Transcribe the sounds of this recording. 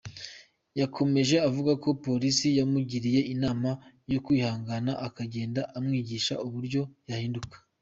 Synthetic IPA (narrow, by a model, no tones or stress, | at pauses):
jakʰo̞me̞ʒe̞avuɡako̞po̞ɾisijamuɟiɾije̞inaːma | jo̞kwihaːŋɡanaʔakaɟe̞ːndaʔamŋiːɟiːʃauβuɾɟo̞jahiːndukḁ